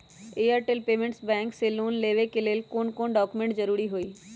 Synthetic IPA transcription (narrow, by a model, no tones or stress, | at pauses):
eːəɾʈelpeːmẽɳʈsbɛ̃ːŋkseloːnleːʋekeleːlkoːnkoːnɖɔːkumẽɳʈd͡ʒɐɾuːɾiɦoːiː